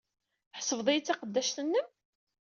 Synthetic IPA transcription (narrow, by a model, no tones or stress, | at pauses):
ħsəvðˤejt͡sːɑqəd̪ːæʃt̪ənːəm